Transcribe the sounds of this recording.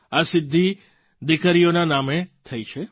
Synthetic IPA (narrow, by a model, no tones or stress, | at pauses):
asɪd̪ʱːi | d̪ɪkəɾijonanamet̪ʰəjt͡ʃʰe